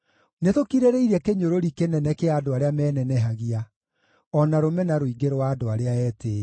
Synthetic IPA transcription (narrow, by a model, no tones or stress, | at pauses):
neðokiɾeɾeiɾɛkeɲoɾoɾikenɛnɛkeaːdoaɾeamɛːnɛnɛɦaɣia | ɔnaɾomɛnaɾoiɡeɾowaːdoaɾeaɛːteː